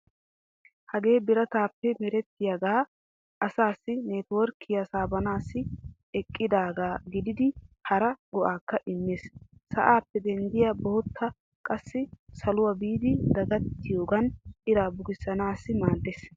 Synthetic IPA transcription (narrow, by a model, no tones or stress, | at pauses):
hɐɡe̞ːbɪɾɐt̪aːpːɛmɛɾɛt̪ːɪjaɡaː | ʔɐsaːsːɪneːt̪wɔɾkʰːɪjɐsaːbɐnaːsːɪ | ɛkʼːɪd̪aːɡaːɡɪd̪ɪd̪ɪhɐɾɐɡɔʔaːkːɐʔɪmːeːssɐʔaːpːɛd̪ɛnd̪ɪjaboːt̪ʰːɐ | kʼɐsːɪsɐlʊwɐbiːd̪ɪd̪ɐɡɐt̪ːɪjo̞ːɡɐnʔɪɾaːbʊɡɪsːɐnaːsːɪmaːd̪ːeːs